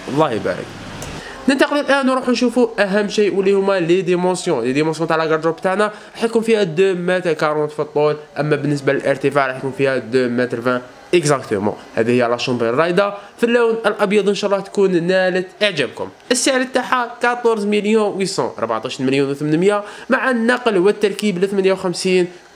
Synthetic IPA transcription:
wɑlˤːɑhibæ̰ɾə̰k̚ | nənt̪ɑqəlulʔænwɾuħnʃufuʔæɦæmːʃijʔwəlːihʊmːælid̪imɑ̃sjɔ̃lid̪imɑ̃sjõt̪aʕlæɡɑɾˤd̪ɾubt̪aʕnæ | ɾˤɑħt̪kumfihæd̪umæt̪ækɑɾˤunt̪fit̪ˤːulʔæmːæbənːəsbaləlʔəɾt̪əfaʕɾˤɑħt̪kunfihæd̪umæt̪ɾvæ̃ | ʔəkzækt̪əmɑ̰̃hæ̰d̪ihəjːælɑʃɑmbirˤːɑjd̪ɑfilːunʔəlʔɑbjɑd̪ˤʔənʃɑʔlːɑht̪kunnælət̪ʔəʕd͡ʒæb̚kʊ̰mʔəsːaʕɾt̪ːaħakæt̪oɾzməljũwisɑ̰̃ʔɾˤbaʕt̪aʃnməljunwəθmənmjamaʕanːɑqlwət̪ːɑɾˤkiblət̪mænjawxæmsiːn

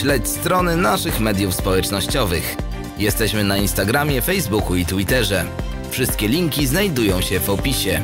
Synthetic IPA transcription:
lɛt͡ɕst̪ɾɔnɘnaʂɘxmɛd̪ʲjufspɔwɛt͡ʂnɔɕt͡ɕɔvɘx | jɛst̪ɛɕmɘnainst̪aɡɾamʲjɛfɛjzbukuit̪wit̪ɛʐɛ | fʂɘst̪kʲɛlʲiŋkʲiznajd̪ujɔ̃w̃ɕɛvɔpʲiɕɛ

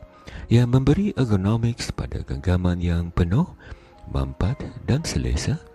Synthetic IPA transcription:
jamə̃mbəɾiʔekonomɪkspa̰da̰ɡəɡamanjaŋpənʊh | ba̰mpat̪dansəlḛsa

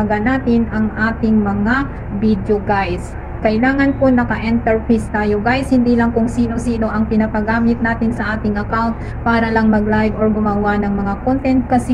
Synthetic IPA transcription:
ɡɐnaːt̪ɪnɐŋʔaːt̪ɪŋmɐŋa | bid̪joɡajs | kɐʔɪlaːŋɐnkonɐkɐʔɛnt̪ɛɹpejst̪aːjoɡajshɪnd̪ilɐŋkʊŋsiːno̞siːno̞ʔɐŋpɪnɐpɐɡaːmɪt̪̚naːt̪ɪnsɐʔaːt̪ɪŋʔɐkawnt̪̚paːɾɐlɐŋmɐɡlajvoɹɡʊmaːɡwanɐŋmɐŋakont̪ɛnt̪̚kɐs

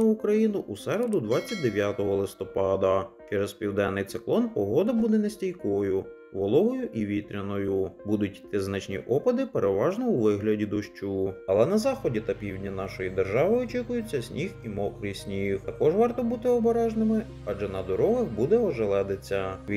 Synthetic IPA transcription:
ɐukɾɐjinʊʔusɛɾed̪ʊd̪ʋɑt͡sʲːɐt̚ʲd̪eʋʲjat̪ɔɦɔlˠɪst̪ɔpɑd̪ɐt͡ʃɛɾespʲiwd̪ɛnːɪjt̪sɪklˠɔnpɔɦɔd̪ɐbud̪ɛnesʲtʲijkɔjʊ | ʋɔlˠɔɦɔjʊʔiʋʲit̪ɾʲɐnɔjʊbud̪ʊtʲt̪ɪznɐt͡ʃnʲḭʔɔpɐd̪ɪpeɾʔeʋɑʒnɔuʋɪɦlʲɐdʲid̪ɔʃt͡ʃuɐlˠɛnɐzɑxɔdʲit̪ɐpʲiwdʲnʲɐnɑʃɔjid̪erʒɑʋɪɔt͡ʃikʊjʊt͡sʲːɐsʲnʲʔiximɔkɾɪsʲnʲixt̪ɐkɔʒʋɑrt̪ɔbut̪ɪɔbɔɾɛʒnɪmɪ | ɑd͡ʒɛnɐd̪ɔɾɔɦɐxbud̪ɛɔʒelˠɛd̪et͡sʲːɐ

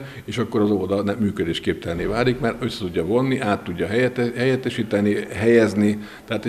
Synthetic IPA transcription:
eːʃɒkːo̞ɾɒzod̪ɒnɛmːyːkød̪eːʃkeːp̚t̪ɛlneːvaːlikmarø̞sːɛ̥t̪uɟːɒvo̞nːiʔaːt̪ːuɟːɒɦɦɛjɛt̪ːɛʃiːt̪ɛniɦɛjɛzni | t̪ɛɦaːt̪

